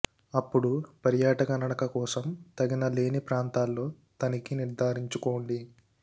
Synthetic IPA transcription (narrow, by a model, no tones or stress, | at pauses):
ɐpːuɽupɐɾjaːʈɐkɐnɐɽɐkɐkɔːsɐmt̪ɐɡinɐle̞ːnipɾaːnt̪aːlːo̞ː | t̪ɐnikiniɾd̪ʱaːɾiɲt͡ʃuko̞ːɳɖi